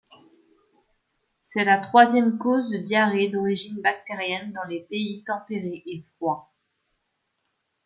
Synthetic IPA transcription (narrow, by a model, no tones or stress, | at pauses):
sɛlat̪χwazjɛmkozd̪əd̪jaʁed̪ɔʁiʒinbak̚t̪eʁjɛnd̪ɑ̃lepeit̪ɑ̃peʁeʔefχwa